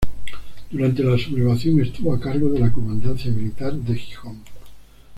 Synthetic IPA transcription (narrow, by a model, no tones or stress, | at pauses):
d̪uɾant̪e̞lasuβleβaθjo̞ne̞st̪uβoakaɾɣoðe̞lakomãnd̪anθjamilit̪aɾd̪exixoŋ